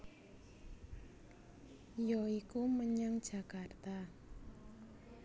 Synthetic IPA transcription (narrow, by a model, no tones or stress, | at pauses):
jɔikuməɲaŋd̥ʒ̥a̤kart̪a